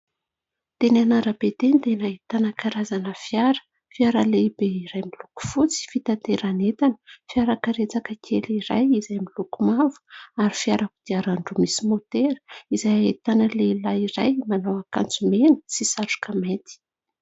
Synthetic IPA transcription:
t̪enanaɾəbet̪end̪enait̪anakaɾazanəfiaɾə̥ | fiaɾəleibeiɾajmiluku̥fut͡si̥fit̪at̪eɾanet̪anə̥fiaɾakaɾet͡sakəkʰeliɾa̰jizajmilukumavu̥aɾifiaɾakud̪̥iaɾaɳɖ͡ʐumisimot̪eɾəizajait̪anəlelaiɾajmanowaka̰nt͡sumenə̥sisaʈ͡ʂu̥kʰamet̪i̥

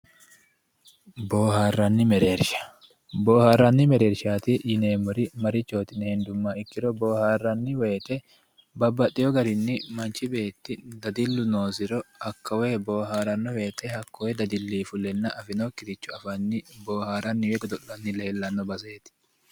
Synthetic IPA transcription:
boːhaːrːɐnːɪmɛɾe̞ːɾʃɐ̥ | bo̞ːhaːrːɐnːɪmɛɾeːɾʃaːt̪ɪjɪneːmʊɾɪmɐɾɪt͡ʃːo̞ːt̪ɪnːɛhɪnd̪ʊmːɐɪkːɪɾɔboːhaːrːɐnːɪwe̞ːt̪ɛ | bɐbːɐt̪ʼːɪjɔɡɐɾɪnːɪmɐnt͡ʃɪbe̞ːt̪ːɪd̪ɐd̪ɪlːʊno̞ːsɪɾɔɐkːɐwe̞ːbo̞ːɦaːɾɐnːɔwe̞ːt̪ʰɛhɐkːɔwɛd̪ɐd̪ɪlːiːfʊlɛnːɐʔɐfɪnokːɪɾɪt͡ʃːʊɐfɐnːɪbo̞ːhaːɾɐnːɪwɛɡɔd̪ɔʔːɐnːɪle̞ːlːɐnːɔbɐs̬eːt̪ɪ̥

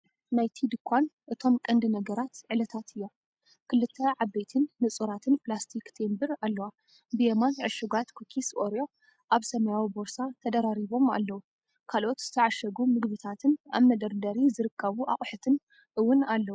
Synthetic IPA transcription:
najt̪ʰid̪ɨkʰʷːanʔɨt̪ʰo̞mkʼɐnd̪ɨnɐɡɐɾat̪ʕɨlɐt̪ʰat̪ʰɨjːo̞ | kʰɨlːɨt̪ʰːɐʕabejt̪ʰɨnːɨt͡sʼuɾat̪ʰɨnplast̪ʰikt̪ʰembɨɾalːɐwa | bɨjemanʕɨʃuɡat̪kʰokʰisoɾjo | ʔaβsɐmɐjawiboɾsat̪ʰɐd̪ɐɾaɾiβo̞ma̰lːɐwu | kʰalʔo̞t̪z̥ɨt̪ʰɐʕaʃɐɡumɨɡβɨt̪ʰat̪ʰɨna̰βmɐd̪ɐɾd̪ɐɾizɨɾɨkʰːɐβuʔa̰χʼħɨt̪ʰɨn | ʔɨwʊnalːɐwu

